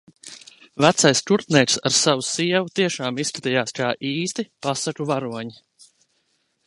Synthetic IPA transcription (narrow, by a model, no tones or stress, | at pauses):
væt̪sajskuɾt̪nɛːt̪saɾsavusiɛvut̪iɛʃaːmisskat̪ijaːskaːʔiːst̪ipasakuvaɾuɔɲi